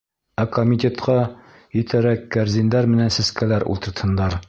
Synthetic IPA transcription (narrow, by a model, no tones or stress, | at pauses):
ækomʲit̪ʲet̪qɑ | jĭt̪ʰæɾækːæɾzind̪æɾmɘ̆nænsɘ̆skælæɾṵlˠt̪ɤ̆ɾt̪hɤ̆nd̪ɑɾ